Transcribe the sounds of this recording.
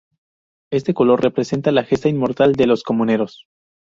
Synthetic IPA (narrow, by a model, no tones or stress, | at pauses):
e̞st̪e̞ko̞lo̞rre̞pɾe̞se̞nt̪alaxe̞st̪ainmo̞ɾt̪ald̪e̞lo̞sko̞mũne̞ɾos